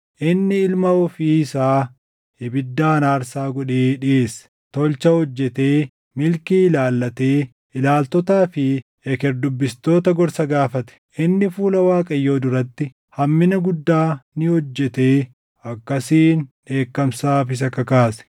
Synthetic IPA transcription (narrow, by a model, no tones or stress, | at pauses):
ʔɪnːɪɪlmɐɔfiːsaː | hɪbɪd̪ːaːnaːɾsaːɡɔᶑeːᶑɪe̞ːs | t̪ɔlt͡ʃɐhɔd͡ʒːɛt̪e̞ː | mɪlkiːɪlaːlːɐt̪eː | ɪlaːlt̪ɔt̪aːfɪ | ɛkɛɾd̪ʊbːɪst̪o̞ːt̪ɐɡɔɾsɐɡaːfɐt̪ɛ̥ʔɪnːɪfuːlɐwaːkʼɐjːo̞ːd̪ʊɾɐt̪ːɪ | hɐmːɪnɐɡʊd̪ːaːnɪhɔd͡ʒːɛt̪e̞ː | ɐkːɐsiːnᶑe̞ːkːɐmsaːfɪs̬ɐkːɐkaːsɛ̥